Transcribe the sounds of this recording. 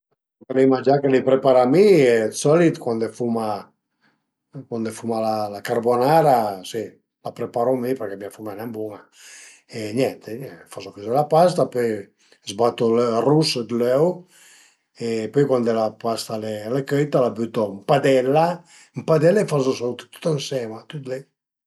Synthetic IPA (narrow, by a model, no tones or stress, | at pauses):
okelimad͡ʒakelipɾepaɾamiɛsɔlit̪kwand̪efuma | kwand̪efumalalakaɾbonaɾasi | lapɾepaɾomipɛɾkɛmiafumɛnɛmbuŋa | eɲɛnt̪eɲɛfazofezelapast̪apøj | zbat̪olrusd̪løw | epøjkwand̪elapast̪alelekøjt̪alabyt̪ɔmpad̪ɛlːa | mpad̪ɛlefazosawt̪t̪u̥t̪ansɛmat̪ut̪le